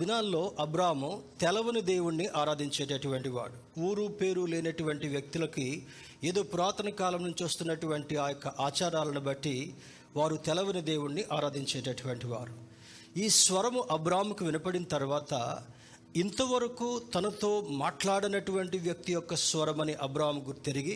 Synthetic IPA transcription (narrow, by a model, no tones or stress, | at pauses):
d̪inaːlːo̞ːʔɐbɾaːɦmut̪ɛlɐʋɐnɐd̪eːwuɳːiʔaːɾaːd̪ʱiɲt͡ʃɛːʈɐʈuʋɐɳʈiʋa̰ːɽu | uːɾupe̞ːɾulɛːnɐʈuʋɐɳʈiʋjɐk̚t̪ilɐki | eːd̪o̞ːpuɾaːt̪ɐnɐkaːlɐmnuɲt͡ʃʋɐst̪unːɐʈuʋɐɳʈiaːjɔkːɐʔaːt͡ʃaːɾaːlɐnibɐʈːi | ʋaːɾut̪ɛlɐʋɐnɐd̪eːwuɳːiʔaːɾaːd̪ʱiɲt͡ʃɛːʈɐʈuʋɐɳʈiʋa̰ːɾu | iːsʋɐɾɐmuʔɐbɾaːɦɐmkuʋinɐpɐɽinɐt̪ɐɾuʋaːt̪ɐ̰ | int̪ɐʋɐɾɐkuːt̪ɐnɐt̪o̞ːmaːʈlaːɽɐnɐʈuʋɐɳʈiʋjɐk̚t̪ijɔkːɐsʋɐɾɐmɐniʔɐbɾaːɦmɡut̪eɾiɡi